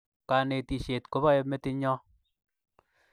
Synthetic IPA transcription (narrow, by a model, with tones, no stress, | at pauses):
ka˨ne˨ti˨ʃe˨tko˦βɔ˦je˧me˦ti˦ɲɔ˦